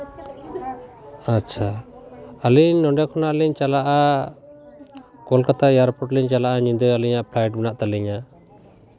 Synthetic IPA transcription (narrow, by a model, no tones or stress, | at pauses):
atːt͡ʃʰa | aliɲnɔɖɛkʰɔnaʔliɲt͡ʃalaʔa | kɔlkat̪ajaɾpɔʈliɲt͡ʃalaʔaɲind̪ɔjaliɲaʔpʰlajʈ̚bɛnaʔt̪aliɲa